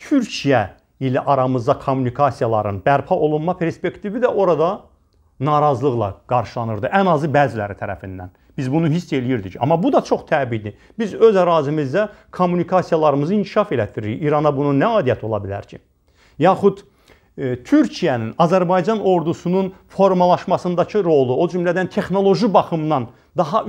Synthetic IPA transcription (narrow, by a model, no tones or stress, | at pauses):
t̪ʰyɾcʰijæ | ilæʔɑɾɑmɯzd̪ɑkʰomːunikʰɑsijɑlˠɑɾɯnbæɾpʰɑʔo̞lˠunmɑpʰe̞ɾspe̞kt̪ivid̪æʔo̞ɾɑd̪ɑ | nɑɾɑzlˠɯɣlˠɑ̰ɡ̥ɑɾʃɯlˠɑnɯɾd̪ɯʔænɑzɯbæːzilæɾit̪ʰæɾæ̰find̪æn | b̥izbunuɦisːe̞lijiɾd̪icɑ̰mːɑbud̪ɑt͡ʃʰo̞χt̪ʰæːbid̪i | b̥izøzæɾɑːzimizd̪æ | kʰomːunikʰɑsijɑlˠɑɾɯmɯzɯincʰi̥ʃɑfe̞læt̪ʰiɾiɾiiɾɑnɑbununæɑːd̪ijæt̪ʰo̞lˠɑ̰bilæ̰ɾcʰḭ | jɑːχud̪ | t̪ʰyɾcʰijæninɑzæɾbɑjd͡ʒɑno̞ɾd̪usununfo̞ɾmɑlˠɑʃmɑsɯnd̪ɑcʰɯɾo̞lˠuo̞d͡ʒymlæd̪ænt̪ʰe̞χno̞lˠo̞ʒibɑχɯmd̪ɑn | d̪ɑɦɑ